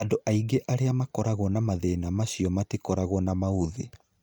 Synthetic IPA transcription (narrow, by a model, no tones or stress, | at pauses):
adoʔaiɡeʔaɾeamakɔɾaɣwɔnamaðenamaɕiɔmatikɔɾaɣwɔnamauðe